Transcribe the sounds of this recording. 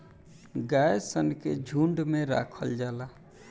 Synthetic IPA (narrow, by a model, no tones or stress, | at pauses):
ɡajsənkḛd͡ʒʱuɳɖmeɾa̰kʰəld͡ʒala